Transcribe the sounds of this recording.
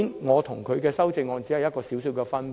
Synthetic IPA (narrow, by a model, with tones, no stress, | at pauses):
nŋɔː˨˧t̪ʰʊ˨˩ŋkʰɵ˨˧ɥkɛː˧sɐ˥wt͡sɪ˧ŋːɔː˧nt͡si˨˥hɐ˨jɐ˥t̚kɔː˧siː˨˥wsi˨˧wkɛː˧fɐ˥n